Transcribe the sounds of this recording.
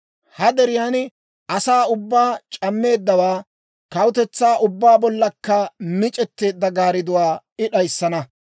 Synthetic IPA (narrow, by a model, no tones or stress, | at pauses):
hɐd̪ɛɾɪjaːnɪ | ʔɐsaːʊbːaːt͡ʃʼɐmːe̞ːd̪ːɐwaː | kɐwʊt̪ɛt͡sːaːʔʊbːaːbɔlːɐkːɐmɪt͡ʃʼɛt̪ːe̞ːd̪ːɐɡaːɾɪd̪ʊwaːɪɗɐjsːɐnɐ